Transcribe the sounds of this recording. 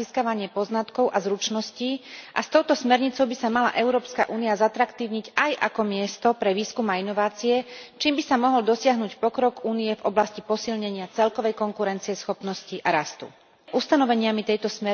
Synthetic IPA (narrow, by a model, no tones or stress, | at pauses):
iskaʋaɲɪɛpɔznat̪kɔʊʔazɾut͡ʃnɔsciːʔa̰st̪ɔʊt̪ɔsmɛɾɲit͡sɔʊbisamala̰ʔɛʊɾɔːpska̰ʔuːniazat̪ɾakt̪iːʊɲiɟajʔa̰kɔmɪɛst̪ɔpɾɛʋiːskumainɔʋaːt͡sijɛt͡ʃiːmbisamɔɦɔld̪ɔsɪaɦnucpɔkɾɔɡuːnijɛvɔblascipɔsilɲɛɲɪat͡sɛlkɔʋɛjkɔŋkuɾɛnt͡siɛsxɔpnɔsciʔaɾast̪ṵ | ʔust̪anɔʋɛɲɪamit̪ɛjt̪ɔsmɛ